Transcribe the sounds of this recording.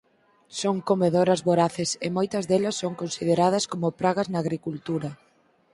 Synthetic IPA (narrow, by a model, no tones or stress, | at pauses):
soŋkomeðoɾɐzβoɾaθesemojt̪ɐzðelɐsːoŋkonsiðeɾað̞ɐskomʊpɾaɣɐznaːɣɾikult̪uɾɐ